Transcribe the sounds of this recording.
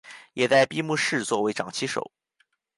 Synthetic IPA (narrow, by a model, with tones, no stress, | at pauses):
jɛ˨˩t͡sa˥˧ɪpi˥˧mu˥˧ʂɻ̩˥˧t͡swɔ˥˩we˧˥ɪʈ͡ʂɑ˨˩ŋt͡ɕʰi˧˥ʂo̰˨˩˦ʊ